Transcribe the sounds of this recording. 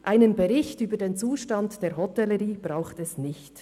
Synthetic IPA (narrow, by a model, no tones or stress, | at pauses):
ʔaɪnənbɛɾɪçtyːbədeːnt͡suːʃtɑntd̥eːɹɦɔtɛləɾiːb̥ʁaʊxtɛsnɪçt